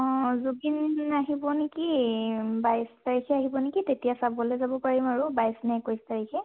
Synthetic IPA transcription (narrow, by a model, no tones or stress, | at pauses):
ɔ̃zubinaɦibɔneki | bajstaɹikʰɛaɦibɔnekitetijasabɔlɛzabɔpaɹimaɹubajsnɛkojstaɹikʰɛ